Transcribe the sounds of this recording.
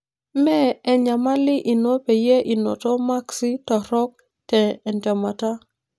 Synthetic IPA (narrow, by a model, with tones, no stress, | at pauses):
mɛ˦ɛ˨ɲa˨ma˦lɪ˦ʔi˨no˦pe˨je˦ʔi˨nɔ̰˨tɔ˦ma˦ksɪ˦tɔ˨ɾɔ˦k̚ | tɛː˨ntɛ˨ma˨ta˦